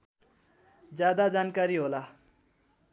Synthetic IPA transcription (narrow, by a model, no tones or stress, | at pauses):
d͡zjad̪ad͡zankaɾiɦola